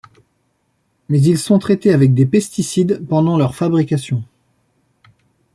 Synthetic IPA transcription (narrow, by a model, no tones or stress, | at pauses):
mɛzilsɔ̃t̪χɛt̪eavɛk̚d̪epɛst̪isid̪pɑ̃d̪ɑ̃lœʁfabʁikʲasjɔ̃